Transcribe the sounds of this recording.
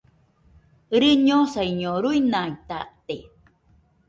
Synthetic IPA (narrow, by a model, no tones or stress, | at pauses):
ɾɨɲosaiɲoɾuinait̪aʔt̪e